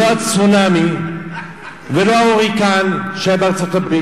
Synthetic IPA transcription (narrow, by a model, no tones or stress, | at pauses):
oat͡sunami | velo̞aoʁikanʃebeaʁt͡so̞tabʁi